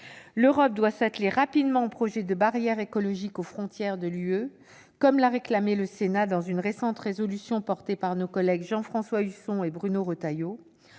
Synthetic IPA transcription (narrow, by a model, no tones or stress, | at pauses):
løʁɔp̚d̪wasat̪leʁapid̪mɑ̃ɛ̃pχɔʒɛd̪əbaʁjɛʁekɔlɔʒikofχɔ̃t̪jɛʁd̪əlyø | kɔmlaʁeklameləsenad̪ɑ̃zynʁesɑ̃t̪χezɔlysjɔ̃pɔʁt̪epaʁnokɔlɛɡʒɑ̃fχɑ̃swaysɔ̃ebʁynoʁot̪ajo